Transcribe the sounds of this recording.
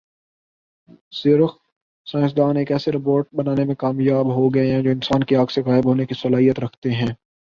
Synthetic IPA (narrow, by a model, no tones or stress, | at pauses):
sɪɾəf | sãːɪsd̪aːneːkɛːseɾɪp̬oːɾʈ̚bɐnaːnemẽkaːmjaːbɦoɡɐeɦɛ̃d͡ʒoːɪnsaːnkiaːɡseɣaːɪbɦoːnekisɐlaːɦijət̪ɾɐkʰt̪eɦɛ̃ː